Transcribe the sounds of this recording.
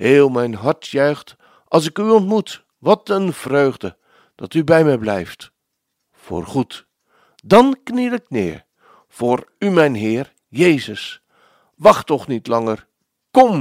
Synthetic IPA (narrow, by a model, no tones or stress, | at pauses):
heːlˠmɛjnɦɑɹtʰjœɥχt | ʔɑlˠs̬ɪkyɔntmut | ʋɑtənv̥røːχdə | d̥ɑtybɛjmɛjblɛjft | fo̰ːrχut | dɑnknilɪknɪ̰ːɹ | v̥ʊːɹymɛjnɦɪːr | jejzəs | ʋɑχtɔχnitlɑŋər | kɔm